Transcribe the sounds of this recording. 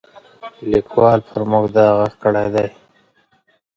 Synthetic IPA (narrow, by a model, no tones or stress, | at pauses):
likʰwɑːlpʰəɾmʊɡd̪ɑɣakkəɽajd̪aj